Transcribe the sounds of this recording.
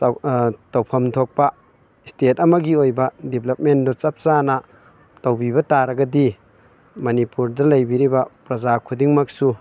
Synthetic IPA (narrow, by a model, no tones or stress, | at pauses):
tɐwpʰɐmtʰok̚pɐ | stetɐmɐɡiojbɐdibʰlɐp̚mendɔt͡ʃɐp̚sanɐ | tɐwbiβɐtaɾɐɡɐdi | mɐnipuɾdɐlɐjbiɾibɐpɾɐzakʰudiŋmak̚su